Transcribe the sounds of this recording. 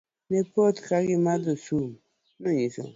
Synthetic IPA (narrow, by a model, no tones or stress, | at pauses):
nepot̪kaɡimad̪osum | noɲiso̰ŋ